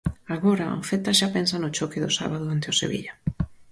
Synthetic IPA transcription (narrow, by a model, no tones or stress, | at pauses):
aɣoɾao̰fet̪aʃapɛnsanʊt͡ʃokɪðʊsa̰βaðʊant̪ɪosḛβḭʎa